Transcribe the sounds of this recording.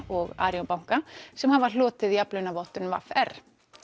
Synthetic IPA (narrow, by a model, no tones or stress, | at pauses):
ɔɣa̰ːɾjɔnpawŋ̥kasɛmhavalɔːt̪ɪðiaplœnavɔht̪ʏnva̰fɛr̥